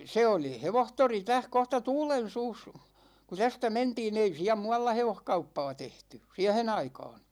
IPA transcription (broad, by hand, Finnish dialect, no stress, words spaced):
se oli heʋohtori tæh kohtɑ tuːlen̞suːs ku tæstæ mentiːn ei siæ muɑlːɑ heʋohkɑupːɑː tehty siæhen ɑikɑːn̞